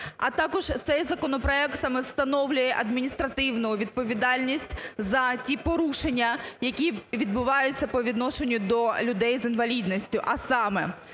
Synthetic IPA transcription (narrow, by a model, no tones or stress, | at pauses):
ɐt̪ɑkɔʒ̥t̪sɛjzɐkɔnɔpɾɔɛk̚t̪sɐmɛwst̪ɐnɔwlʲʊjɛʔɐd̪mʲinʲist̪ɾɐt̪ɪwnʊʊʋʲid̪̚pɔʋʲid̪ɑlʲnʲisʲtʲzɐtʲipɔɾuʃe̞nʲːɐjɐkʲiʋʲid̪̚bʊʋɑjʊt͡sʲːɐpɔʋʲid̪nɔʃenʲːʊd̪ɔlʲʊd̪ɛjzɪnʋɐlʲid̪nɔsʲtʲʊʔɐsɑmɛ